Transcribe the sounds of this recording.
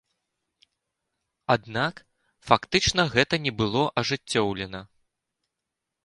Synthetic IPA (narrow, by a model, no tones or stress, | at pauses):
ad̪nak | fakt̪ɨt͡ʂnɐɣɛt̪ɐnʲɛbɨlˠɔʔɐʐɨt͡sʲːɔwlʲɛnɐ